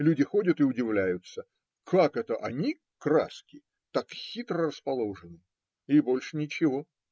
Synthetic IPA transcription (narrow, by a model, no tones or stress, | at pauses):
lʲudʲɪxo̞dʲət̪ɪʊdʲɪvlʲæjʊt̪sə | kʰakɛt̪əʔɐnʲi | kɾa̰skʲɪ | t̪akxʲit̪ɾərəspɐlˠo̞ʐɨnɨ | ɪbo̞lʲʂɨnʲɪt͡ɕɪvo̞